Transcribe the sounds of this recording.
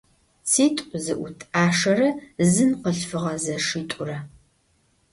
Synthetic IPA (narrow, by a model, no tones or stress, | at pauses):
sʰiːtʼʊzɨʔʷʊtʰaːʂɐrɐzɨnqəɬfɨʁɐzɐʂiːtʷʼʊrɐ